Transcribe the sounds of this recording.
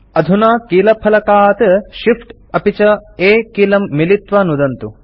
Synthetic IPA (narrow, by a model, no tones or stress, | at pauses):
ɐd̪ʱunaːkiːlɐpʰɐlɐkaːt̪ʃifʈ | ɐpit͡ʃɐeːkiːlɐmːilit̪ʋɐnud̪ɐnt̪u